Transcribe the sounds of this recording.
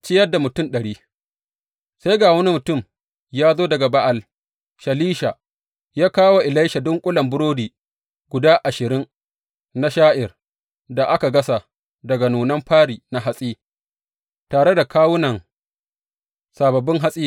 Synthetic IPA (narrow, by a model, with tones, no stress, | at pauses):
t͡ʃɪ˦jɐ˦dːa˨mʊ˨tʊ˦nɗɐ˨ɽiː˦ | sa˦jɡaː˨wɐ˦ni˦mʊ˨tʊ˦˨m | jaː˦zoː˦dɐ˨ɡa˨ba˦ʔa˨l | ʃɐ˨liː˦ʃa˨ | jaː˦kaː˦wa˨ʔɪ˨la˦jʃa˨dʊ˦ŋkʷʼʊ˦lɐ˨mbʊ˦ɽoː˦diː˨ | ɡ̥ʷʊ˨daː˦ʔa˨ʃɪ˨ɾɪ˦ŋ | na˦ʃaː˦ʔɪ˨r | da˨ʔa˦ka˨ɡɐ˦sa˨ | dɐ˨ɡa˨nuː˨nɐ˦mɸaː˦ɽiː˨na˨ɦa˦sʼiː˦ | taː˨ɽe˦da˨kʰaː˦wʊ˦nɐ˨ŋ | sa˨bɐ˨bɪ˦ŋɦa˦sʼiː˦